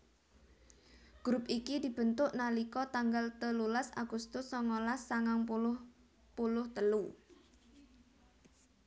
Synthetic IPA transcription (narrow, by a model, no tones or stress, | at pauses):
ɡ̥ɾʊpikid̪i̤b̥ə̤nt̪ʊʔnalikɔt̪aŋɡalt̪əlulasa̰ɡ̥ust̪ʊsːɔŋolasːaŋaŋpulʊh | pulʊht̪əlu